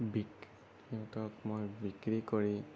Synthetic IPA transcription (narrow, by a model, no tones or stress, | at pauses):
bik | kiũtɔkmojbikɹikoɹĩ